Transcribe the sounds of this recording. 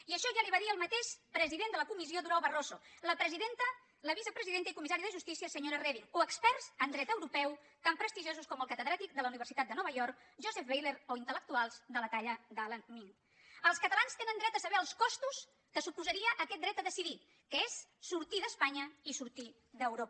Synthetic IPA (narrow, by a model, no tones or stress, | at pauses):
iəʃɔʒaliβaðiəlˠmət̪eʃpɾəziðend̪ələkumizioðuɾawβərozoləpɾəziðent̪ə | ləβisəpɾəziðent̪əikumisaɾiðəʒust̪isiəsəɲoɾərɛβioəkspɛrz̥ənd̪ɾɛt̪əwɾupɛw | t̪ampɾəst̪iʒozuskɔməlˠkət̪əðɾat̪ik̚d̪ələuniβəɾsit̪at̪̚d̪ənɔβəjɔɾk | ʒozɛfβejleɾoint̪ələk̚t̪ualˠzðələt̪aʎəðalənmiŋ | əlˠskət̪əlanst̪enənd̪ɾɛt̪dəsəβɛəlˠskɔst̪us | kəsupuzəɾiəʔːkɛt̪̚d̪ɾɛt̪əðəsiði | kəesːuɾt̪iðəspaɲəisuɾt̪i | ðəwɾopə